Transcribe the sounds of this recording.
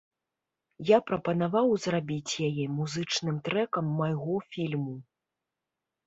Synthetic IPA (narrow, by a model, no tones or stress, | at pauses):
japɾɐpɐnavawzrabʲit͡sʲjajɛmuzɨt͡ʂnɨmt̪ɾɛkɐmːajɣɔfʲilʲmu